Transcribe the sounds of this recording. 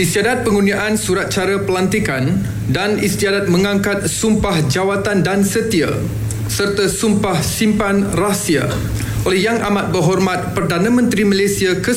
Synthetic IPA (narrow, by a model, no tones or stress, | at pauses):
ist̪iadat̪̚pəŋuniaʔansuɾat̪̚t͡ʃaɾapəlant̪ikan | danist̪iadat̪̚mə̃ŋaŋkat̪̚sumpahd͡ʒawat̪andansət̪ia̰ | sərt̪asumpahsimpanrasia̰ | ʔolɛhjaŋʔa̰mat̪̚bərɦɔrmat̪̚pərdanãmə̃nt̪ɾiməlesiakə